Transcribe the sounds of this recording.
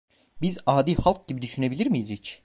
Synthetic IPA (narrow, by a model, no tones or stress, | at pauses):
bizaːd̪iːhalˠk̚ɟibid̪yʃyne̞bilʲiɾmijizit͡ʃ